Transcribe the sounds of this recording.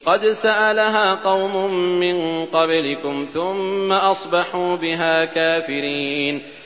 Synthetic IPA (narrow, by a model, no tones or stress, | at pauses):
qɑd̪saʔalaɦaːqɑwmʊmːɪnqɑblɪkʊmθʊmːaʔɑsˤbɑħuːbɪɦaːkaːfɪɾiːn